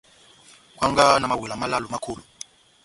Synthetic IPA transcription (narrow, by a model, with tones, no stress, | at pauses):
kwa˦ŋɡa˦na˨ma˦˨wi˨la˨ma˦la˦lu˨ma˦kʰu˨lu˨